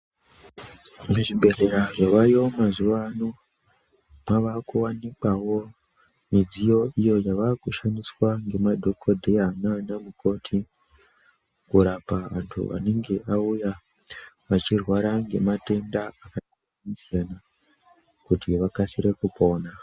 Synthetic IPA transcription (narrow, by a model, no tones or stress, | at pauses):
muʐibʱe̞re̞ɾaʐaʋajo̞mazuʋano | maʋakuwanikawo̞ | mid͡zijo̞ijo̞jaʋakuʃaniswaŋɡe̞madʱokʰodʱejananamukʰo̞tʰi | kuɾapaʋa̰ntʰṵʋa̰ne̞ŋɡe̞ʔauja | ʋat͡ʃirwaɾaŋɡe̞mate̞ndaːkata | anzijana | kutiʋakasiɾe̞kupo̞ːna